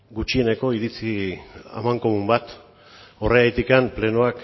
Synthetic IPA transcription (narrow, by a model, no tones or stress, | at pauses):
ɡut͡ʃie̞ne̞ko̞iɾit͡sia̰maŋkomumbat̪ | o̞re̞ajt̪ikample̞nuak